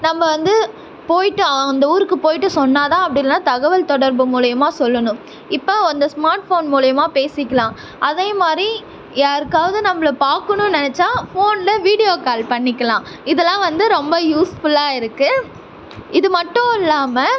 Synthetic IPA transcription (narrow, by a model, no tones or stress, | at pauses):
nɐmbɐʋɐnd̪ɯ | poːjɪʈːɯɐnd̪ɐuːɾɯkːɯpoːjɪʈːɯsɔnːaːt̪ãːɐpːɐɽɪlnãːt̪ɐɣɐʋɐlt̪ɔɽɐɾbɯmuːɭɪjɐmaːsɔlːɐnʊ̃ | ɪpːoɔnd̪ɐsmaːɾʈfoːnmuːɭɐjɐmaːpeːsɪkːɐlãː | ʔɐðeːmaːd̪ɾi | jaːɾɯkːaːʋɐðɯnɐmːɐɭɐpaːɾkɐɳʊ̃nɛnɛt͡ʃːaːfoːnlɐʋiːɽɪjoːkaːlpɐɳːɪkːɐlãː | ɪðɛlːãːʋɐnd̪ɯɾɔmbɐjuːsfʊlaːɪɾɯkːɯ | ɪðɯmɐʈːʊ̃ɪlːaːmɐ